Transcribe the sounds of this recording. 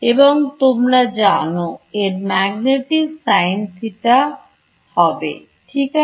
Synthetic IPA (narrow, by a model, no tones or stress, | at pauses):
eboŋt̪omɾad͡ʑanoeɾmɛɡneʈisajnsiʈa | hɔbḛ | ʈʰika